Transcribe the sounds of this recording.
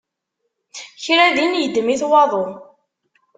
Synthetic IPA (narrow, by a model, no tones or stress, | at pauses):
çɾæðinjəd̪ːmiθwɑðˤo